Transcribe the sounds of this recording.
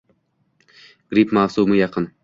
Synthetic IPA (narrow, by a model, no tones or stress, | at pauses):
ɡ̥ɾipmaːsumɨjɑqʰɨn